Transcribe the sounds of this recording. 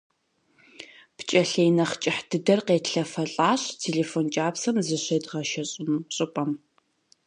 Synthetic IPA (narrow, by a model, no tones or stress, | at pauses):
pt͡ʃʼɐɬejnɐχt͡ʃʼɪħd̥ɨdɐrqeːtɬɐfɐɬʼaːɕtʰeːɮeːfoːnt͡ʃʼaːpsɐmzɨɕejdʁɐʃɐɕʼɪmɕʼɨpʼɐm